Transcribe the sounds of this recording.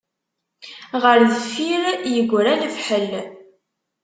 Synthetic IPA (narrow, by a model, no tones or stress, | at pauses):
ʁəɾðəfiɾjəɡʷːɾænəfħəl